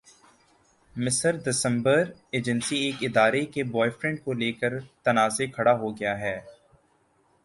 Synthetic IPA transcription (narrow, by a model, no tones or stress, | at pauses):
mɪsəɾd̪ɪsə̃mbəɾeːd͡ʒə̃nsieːkɪd̪aːɾekebɔːɪfɾɛ̃ɳɖ̚koleːkəɾt̪ɐnaːzekʰɐɽaɦoɡɐjaɦɛː